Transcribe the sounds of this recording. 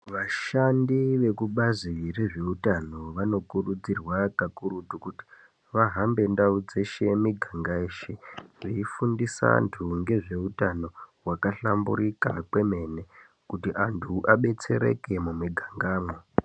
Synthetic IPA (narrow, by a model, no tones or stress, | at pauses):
ʋaʃandiʋe̞kuɓazire̞ʐe̞utano̞ʋano̞kurud͡zirwakakuɾutukuti̥ | ʋaɦambe̞ndaud͡ze̞ʃe̞miɡʱaŋɡaeʃeʐeifundisa̰ntʰuŋɡe̞ʐe̞utano̞wakaɬambṵɾika̰kwe̞me̞ne̞ | kutiʔantʰuʔaɓe̞t͡se̞ɾe̞̰ke̞mumiɡʱaŋɡaːmo